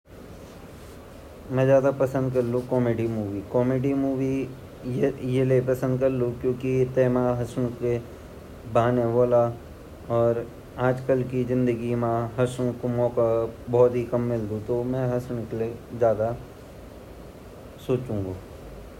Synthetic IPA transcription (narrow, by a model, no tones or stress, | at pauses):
mɛ̃zjaːd̪apɐsə̃nd̪kɐɾlũkɔːmeːɖimuːʋikɔːmeːɖimuːʋi | jelepɐsə̃nd̪̚kɐɾlukjõːkit̪eːmãɦɐsñũke | baːneboːla | ɔːɾ | aːd͡ʒkəlkizɪ̃nd̪əɡimãɦɐsũkomɔːkabɔːt̪ɦikɐmːɪld̪ut̪omɛ̃ɦɐsñklezjaːd̪a | soːt͡ʃũːŋɡo